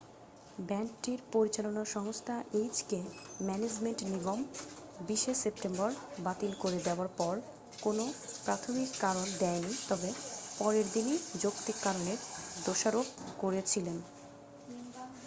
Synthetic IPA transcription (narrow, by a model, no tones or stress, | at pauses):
bɛnʈiɾpoɾit͡ɕalonaʃɔŋost̪ʰaʔejd͡ʑkemɛned͡ʑmeɳʈniɡombiʃesep̚ʈembɔɾbat̪ilkoɾed̪eoaɾpɔɾ | konopɾat̪ʰomikːaɾond̪ɛenit̪ɔbepɔɾeɾd̪inid͡ʑokt̪ikːaɾoneɾd̪oʃaɾobkoɾet͡ɕʰilen